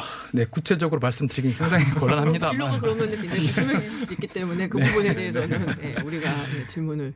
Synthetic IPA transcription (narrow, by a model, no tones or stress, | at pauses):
ne̞kut͡ɕʰe̞d͡ʑʌɡɯɾomaɭs͈ɯmdɯɾiɡinisʰaŋd͡ʑʰaŋikʌɭːaɭɦamɲidaʌkɯɾʌmjʌnɯinemeis͈ɯik͈it͈e̞mune̞kɯeubune̞de̞ɦesʰʌnnjeuɾiɡaet͡ɕimunɯɭ